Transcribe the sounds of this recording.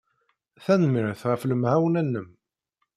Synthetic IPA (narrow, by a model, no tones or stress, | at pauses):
θænmɪɾθʁəfləmhawnænːəm